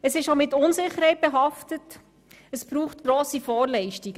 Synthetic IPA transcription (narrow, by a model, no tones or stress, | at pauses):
əsɪʃomɪtʊnzɪχəɾhɛɪt̚b̥ɛɦɑftət | əsb̥ɾuːχtɡ̥ɾoːsifɔːɾlɛɪʃtiɡə